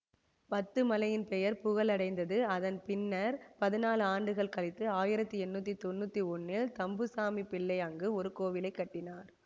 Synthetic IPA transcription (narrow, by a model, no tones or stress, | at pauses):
pɐt̪ːɯmɐlɐjɪnpɛjɐɾpʊɣɐlɐɽɐɪnd̪ɐðɯɐðɐnpɪnːɐɾpɐðɪnaːlɯaːɳɖɯɣɐɭkɐɭɪt̪ːɯaːjɪɾɐt̪ːɯɛnːuːt̪ːit̪ɔnːuːt̪ːiɔnːɪlt̪ɐmbɯsaːmipɪɭːɐɪɐŋɡɯɔɾɯkoːʋɪlɐɪkːɐʈːɪnaːɾ